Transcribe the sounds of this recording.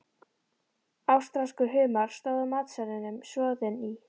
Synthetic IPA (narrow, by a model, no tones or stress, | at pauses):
awst̪ɾaskʏɦʏːmaɾ̥st̪œwðʏmaːt̪sɛnɪnʏmsjɔːðɪni